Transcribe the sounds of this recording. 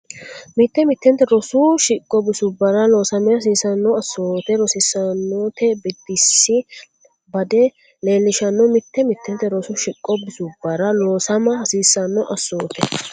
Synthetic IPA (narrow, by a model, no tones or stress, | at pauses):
mɪt̪ːɛmɪt̪ːɛnt̪ːɛɾɔsʊʃɪkʼːɔbɪsʊbɐɾɐlo̞ːsɐmɪjɐs̬iːsɐnːɔɐsːoːt̪ɛɾɔsɪsːɐnːot̪ʰɛbɛd̪ɪsːɪ | bɐd̪ɛ | le̞ːlːɪʃɐnːɔmɪt̪ʰːɛmɪt̪ʰːɛnt̪ːɛɾɔsʊʃɪkʼːɔbɪsʊbɐɾɐloːsɐmɐɐsiːsːɐnːɔʔɐsːoːt̪ɛ